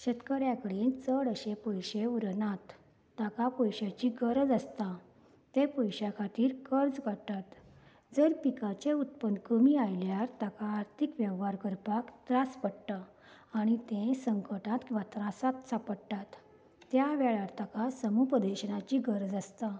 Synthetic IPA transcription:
ɕət̪kəɾjãkəɽiːnt͡səɽəɕepɔjɕeuɾnãt̪ː | akapɔjɕat͡ɕiɡəɾd͡zəst̪a | t̪ẽpɔjɕakʰat̪iːɾkəɾd͡zkəɽt̪at̪ | d͡zəɾpikat͡ɕeut̪̚pənd̪kəmiajljaɾt̪akaːɾt̪ʰikʋjəʋɦaɾkəɾpakt̪ɾaspəɽʈ̪a | aɽ̃it̪ẽsəŋkəʈãt̪kĩʋat̪ɾasat̪sapəɽʈat̪ː | jaʋɛɭaɾt̪akasəmupəd̪eɕənat͡ɕiːɡəɾd͡zəst̪a

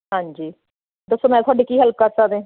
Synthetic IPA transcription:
ɦãːɲd͡ʒiː | d̪əsːoːmɛ̃ːt̪ʰʊaːɖeːkiːɦəlp̚kəɾsakd̪ẽː

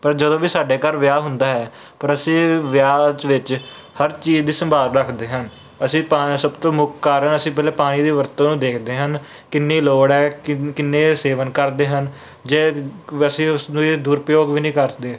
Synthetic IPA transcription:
pəɾd͡ʒəd̪õːʋiːsaːɖeːkəɾʋjaːɦʊnd̪aːɦɛː | pəɾəsĩːʋjaːd͡ʒʋɪt͡ʃ | həɾt͡ʃiːd͡ʒd̪iːsəmbʱaːɾɾəkʰd̪eːɦən | əsĩːpaːsəbt̪õːmʊkːaːɾənəsĩːpɛːlɛːpaːɽ̃iːd̪iːʋəɾt̪õːnũːd̪eːkʰd̪eːɦən | kɪnːeːloːɽɛːkɪnːeːseːʋənkəɾd̪eːɦən | d͡ʒeːəsĩːʊsnːiːd̪uːɾpəjoːɡʋiːnĩːkəɾd̪eː

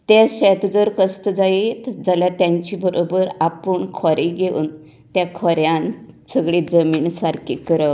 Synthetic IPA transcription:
t̪eɕɛt̪d͡zəɾkəst̪əd͡zait̪d͡zaljat̪jãɲt͡ɕibəɾʔobəɾapəɳkʰɔɾiɡʱeṵːn | t̪jakʰɔɾjãnsəɡɭiːd͡zəmiːɳsaɾkʰikəɾə

